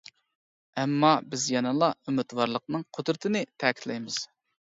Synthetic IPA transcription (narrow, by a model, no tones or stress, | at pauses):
ɛmːɑbɪzjɑnɨlˠɑømɪt̪wɑɾlˠəq̚nɨŋqʰod̪ɾɪt̪ʰɪnɪt̪ʰɛkʲʰit̪ʰlɛjmɪz̥